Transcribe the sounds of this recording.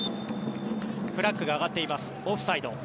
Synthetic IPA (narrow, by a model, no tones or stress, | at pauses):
ɸɯ̟ɾakːɯ̟ɡaːɡat̪ːe̞imasɨ̥oɸɯ̟said̪o̞